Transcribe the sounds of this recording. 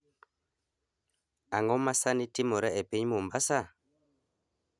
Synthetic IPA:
aŋɔmasanitimɔɾɛɛpeɲmumbasa

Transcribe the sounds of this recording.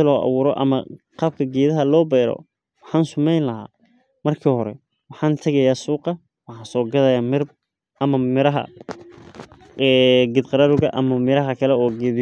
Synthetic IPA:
lɔːʔɑ̰βuːɾɔ̰ʔɐ̰mɐqɑːb̚kʰɐɡɛːðɐɦɐlɔːbɛjɾɔ̰ | wɑħɑːnsʊmɛjnlɐɦa̰ː | mɐrkʰiːhɔɾɛ̰ | wɑħɑːnt̪ʰɐɣɐjaːsuːqɑ | wɑħɑ̃ːnsɔːɡɐðɐjaːmɪr | ɐmɐmɪɾɐɦɐ̰ | ɛɡɪd̪qɑɾaːɾʊɣɐʔɐmɐmɪɾɐɦɐkʰɐlɛɔːɡɛːð

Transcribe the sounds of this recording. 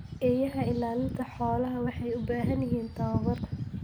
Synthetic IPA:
ʔɛːjɐɦɐɪlaːlɪnt̪ʰɐħɔːlɐɦɐwɑħɑjʊbaːɦɐnjɪɦiːnt̪ʰɐβɐβɐrk̪ʰɐ̥

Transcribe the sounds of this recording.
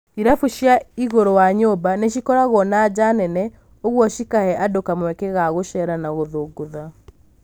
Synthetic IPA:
iɾafuʃjaiɣoɾowaɲobaneʃ̬ikɔɾaɣɔnad͡ʑanɛnɛ | oɣwɔʃikahɛʔadokamwɛkɛɣaɣoʃɛɾanaɣoðoːɡoða

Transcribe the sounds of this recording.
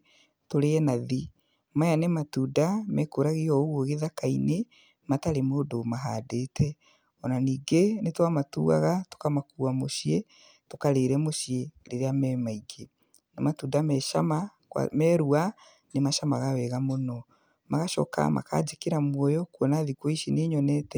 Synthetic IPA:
toɾeɛnaði | majanematuːdamɛkoɾaɣiɔoɣwɔɣeðakaine | mataɾemoːdomaɦadeːtʰɛ | ɔnaniːɡenetwamatṵa̰ɣato̥kamakuamoʃie | tokaɾeːɾɛmoʃieɾeɾeamɛːmaiɡe | namatuːdamɛʃama | kwa̰mɛɾua | nemaʃamaɣawɛɣamonɔ | maɣaʃɔ̰ka̰ma̰ka̰d͡ʑekeɾamwɔjɔkwɔnaðikwɔiʃineɲɔnɛtɛ

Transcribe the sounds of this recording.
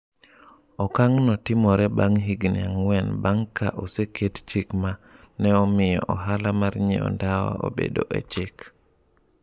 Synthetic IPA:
ɔkaŋnɔtɪmɔɾɛbaŋɦiɡnɪ̰aŋwɛnbaŋka̰ʔosekett͡ʃikma | nɛɔmɪjɔ̰ʔɔɦalamarɲḛɔ̰ndawɔ̰o̰bḛdo̰ʔḛt͡ʃɪk

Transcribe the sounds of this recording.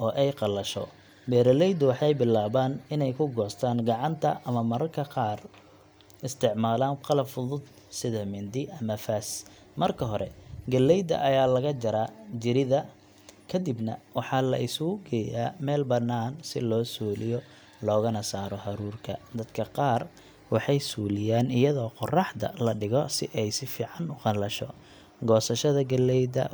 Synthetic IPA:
ʔɔːʔɛjqɑlɐʃɔ̰ | bɛːɾɐlɛjd̪ʊwɑħɑjbɪlːaːβaːnɪnɛjkʰʊɡɔːst̪ʰaːnɡɑʕɑnt̪ʰɐʔɐmɐmɐɾɐrkʰɐqɑːr | ɪst̪ʰɪʕmaːlaːnqɑlɐbfʊðʊd̪ | sɪðɐmɪnd̪ɪʔɐmɐfaːs | mɐrkʰɐɦɔɾɛ̰ɡɐlːɛjd̪ɐ̰ʔɐjaːlɐɣɐd͡ʒɐɾaːd͡ʒɪɾɪðɐ | kʰɐd̪ibnɐ̰wɑħɑlɐ̰ʔɪsʊɣʊɡɛjaːmɛːlbɐnːaːnsɪ̰lɔːsuːlɪjɔ | lɔːɣɐnɐsaːɾɔhɐɾuːrkʰɐ̰d̪ɐd̪kʰɐqɑːr | wɑħɑjsuːlɪjaːnɪjɐðɔːqɔrɑħd̪ɐ̰lɐɖɪɣɔsɪʔɛjsɪfiːʕɑnʊqɑlɐʃɔ̰ | ɡɔːsɐʃɐðɐɡɐlɛjd̪ɐ̰

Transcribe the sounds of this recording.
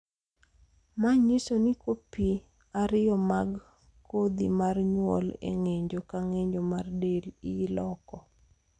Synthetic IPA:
maɲisonikopi | aɾɪjɔmaɡ | kod̪imarɲwɔ̰lḛŋeɲd͡ʒokaŋeɲd͡ʒomardelilɔkɔ

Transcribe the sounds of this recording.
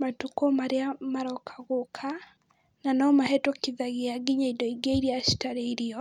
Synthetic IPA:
matukɔmaɾeamaɾɔkʰaɣokʰa | nanɔmahɛtɔkiðaɣeaɡiɲaidɔiɡeiɾiaʃi̥taɾeiɾiɔ

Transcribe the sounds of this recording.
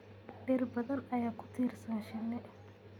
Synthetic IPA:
ɖɛrbɐðɐnɐjaːkʰʊ̥t̪ʰiːrsɐnʃɪnːɛ

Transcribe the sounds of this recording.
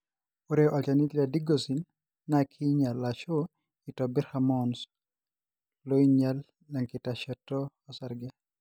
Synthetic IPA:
oɾeʔɔt͡ʃanitladiɡosinː | akʰiɲalːaʃo | itɔbɛɾhamɔns | loiɲalː | aŋkɪtaʃɛtɔːsaɾɡɛ

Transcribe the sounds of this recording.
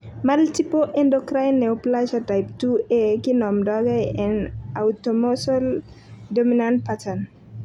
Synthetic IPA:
maltipoʔɛndɔkɾajnːɛuplat͡ʃatajptuekinɔmdɔɡajɛnawtomosɔl | dominan̚patan

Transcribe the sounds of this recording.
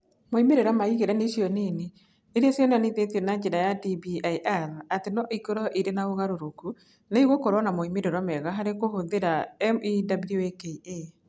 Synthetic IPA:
moimeɾeɾwamaiɣeɾɛneʃiɔnene | eɾeasiɔnaneðetiɔnad͡ʒeɾajadibiajʔaðatenɔʔikoɾɔʔiɾenaoɣaɾoɾoku | naiɣɔkoɾwɔnamoimeɾeɾwamɛɣaɦaɾekohoðeɾaɛmidabljoekee

